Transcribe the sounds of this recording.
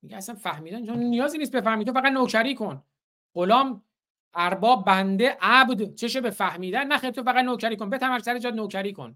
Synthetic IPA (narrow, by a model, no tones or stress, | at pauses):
miɟeæsænfæhmiːd̪ænt͡ʃʰonnijɒːziːnist̪̚be̞fæhmiːt̪ʰofææd̪nocʰæɾiːkʰo̞n | ɢ̥olɒːm | ʔæɾbɒːb̚bænd̪e̞ʔæbd̪t͡ʃʰe̞ʃebefæhmiːd̪ænːæχɛj̪̚t̪ʰofæɣæd̪noːcʰæɾiːkonbe̞t̪ʰæmæɾsæɾed͡ʒɒːd̪noːcʰæɾiːkʰo̞̰n